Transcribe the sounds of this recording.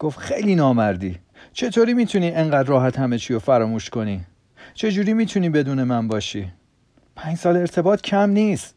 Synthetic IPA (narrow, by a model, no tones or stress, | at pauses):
ɡ̥oft̪xejliːnɒːmæɾd̪iː | t͡ʃʰe̞t̪ʰoɾiːmiːt̪ʰuniːeŋɢæːd̪ɾɒːɦæt̪ʰhæme̞t͡ʃʰiːjofæɾɒːmuːʃko̞niː | t͡ʃʰe̞d͡ʒuːɾiːmiːt̪ʰuniːbe̞d̪uːne̞mænbɒːʃiː | pʰæːɲd͡ʒsɒːle̞ɾt̪ʰe̞bɒːt̪ʰcʰæmniːst̪